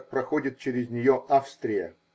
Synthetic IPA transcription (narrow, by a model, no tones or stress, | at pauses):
pɾɐxodʲɪt̪̚t͡ɕeɾʲɪzʲnʲɪjoʔafst̪ɾʲɪjə̰